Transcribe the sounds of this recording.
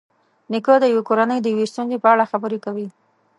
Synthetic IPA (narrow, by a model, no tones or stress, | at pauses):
nɪkod̪əjawekoɾanəjd̪əjawest̪unzepəaɽaxabəɾekawi